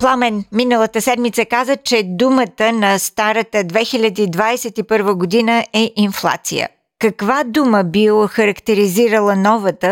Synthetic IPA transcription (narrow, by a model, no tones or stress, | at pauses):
plˠamɛnminəlˠət̪əsɛd̪mit̪səkazət͡ʃɛd̪umət̪ənɐst̪aɾət̪əd̪vɛxilʲəd̪iːd̪vaɛsɛt̪ipɤɾvəɡod̪inəʔɛʔinflˠa̰t̪sḭjə̰ | kɐkvad̪uməbioxəɾəkt̪ɛɾiziɾəlˠənɔvət̪ə